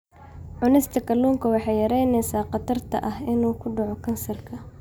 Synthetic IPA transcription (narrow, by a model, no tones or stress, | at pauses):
ʕʊnɪst̪ʰɐkʰɐluːŋkʰɐwɑħɑjɐɾɛjnɛjsaːqɑt̪ʰɐrt̪ʰɐ̰ʔɐɦɪnuːkʰʊɖɑʕɔkʰɐnsɐrkʰɐ